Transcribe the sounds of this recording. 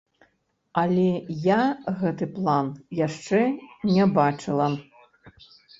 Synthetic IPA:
ɐlʲɛjaɣɛt̪ɨplˠanjaʂt͡ʂɛnʲɛbat͡ʂɨlˠɐ

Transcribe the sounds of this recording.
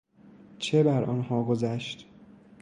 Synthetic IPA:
t͡ʃʰebæɾʔɒ̰nhɒːɡozæʃt̪

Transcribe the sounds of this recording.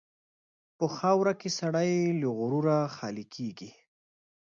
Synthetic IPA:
pəxɑwɾakesaɽ̃ajloɣʊɾuɾaxɑlikʰeɡi

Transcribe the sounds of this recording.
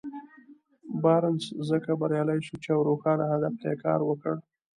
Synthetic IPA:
bɑɾənszəkabaɾjɑlajʃut͡ʃeawɾoxɑnahad̪aft̪ajekɑ̰ɾwəkəɽ

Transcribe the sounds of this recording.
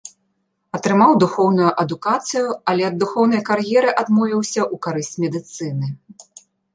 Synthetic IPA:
ɐt̪ɾɨmawd̪uxɔwnujuʔɐd̪ukat̪sɨjuɐlʲɛɐd̪ːuxɔwnɐjkarjɛɾɨʔad̪mɔvʲiwsʲɐʔukaɾɨsʲt͡sʲmʲɛd̪ɨt̪sɨnɨ

